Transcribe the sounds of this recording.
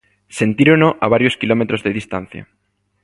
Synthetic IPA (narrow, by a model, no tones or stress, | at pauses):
se̞nt̪iɾonoʔaβ̞aɾjoskilomet̪ɾozðeðist̪an̟θja̰